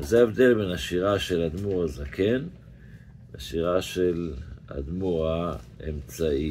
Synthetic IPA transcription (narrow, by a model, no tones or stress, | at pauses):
zeaevd̪e̞lbenaʃiʁaʃe̞lad̪muʁazakʰe̞n | aʃiʁaʃela̰d̪muʁa | emt͡sai